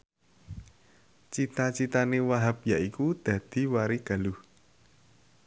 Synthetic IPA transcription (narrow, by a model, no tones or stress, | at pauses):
t͡ʃit̪at͡ʃit̪anewaɦap̚jaʔikud̪̥ä̤d̪̥i̤waɾiɡ̥a̤luh